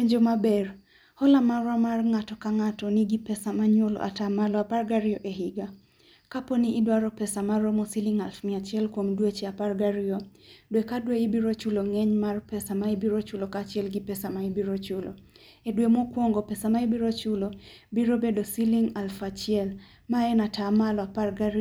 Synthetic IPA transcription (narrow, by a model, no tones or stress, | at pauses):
eɲd͡ʒomabɛr | hɔlamarwamarŋatɔkaŋatɔniɡipɛsamaɲolɔ̰ʔa̰tamalɔaparɡaɾɪɔʔeɦɪɡa | kapɔnɪɪdwaɾɔpɛsamaɾomɔsiliŋalfmɪat͡ʃɪɛlkwomdwet͡ʃɛaparɡaɾiodwekadweɪbiɾot͡ʃuloŋɛɲmarpɛsamaibiɾot͡ʃʊlokat͡ʃɪɛlɡɪpɛsamaibiɾot͡ʃʊlo̰ | edwemokwoŋɡopɛsamaibiɾot͡ʃʊlo | biɾobedosiliŋalfat͡ʃɪɛl | maɛnatamalɔaparɡaɾ